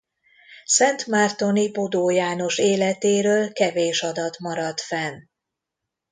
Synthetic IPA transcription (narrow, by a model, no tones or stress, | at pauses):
sɛnt̪mart̪o̞nibod̪oːjaːno̞ʃeːlɛt̪eːɾøːlkɛveːʃɒd̪ɒt̪mɒɾɒt̪fɛn